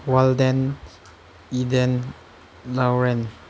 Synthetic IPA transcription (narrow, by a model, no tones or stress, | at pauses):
waldɛn | idɛn | lawɾɛn